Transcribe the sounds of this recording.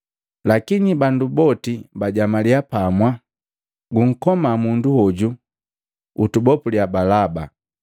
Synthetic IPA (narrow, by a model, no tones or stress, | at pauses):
lakinibandubɔtibaɟamaliapamwa | ɡuŋ̩kɔmamunduhɔɟu | utubɔpuliabalaba